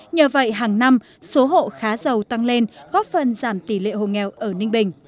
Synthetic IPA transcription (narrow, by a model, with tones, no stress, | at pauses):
ɲəː˨˩və̰˧˨jɦaː˨˩ŋna˧m | so˨˦ɦo̰˧˨xaː˨˦zə˨˩wt̪a˧ŋle˧nɣɔ˦˥p̚fə˨˩nzaː˧˩mt̪i˧˩lḛ˧˨ho̰˧˨ŋɛ˨˩wʔəː˧˩nï˧ŋ̟ɓï˨˩ŋ̟